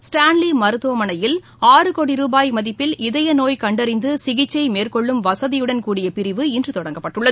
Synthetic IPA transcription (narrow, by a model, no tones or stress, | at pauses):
sʈaːnlimɐɾɯt̪ːoːmɐnɐjɪl | aːrɯkoːɽiɾuːbaːjmɐðɪpːɪlɪðɐjɐnoːjkɐɳɖɐɾɪnd̪ɯsɪɣɪt͡ʃːɐɪmeːrkɔɭːɯmʋɐsɐðɪjɯɽɐnkuːɽɪjɐpɪɾɪʋɯɪndrɯt̪ɔɽɐŋɡɐpːɐʈːɯɭːɐð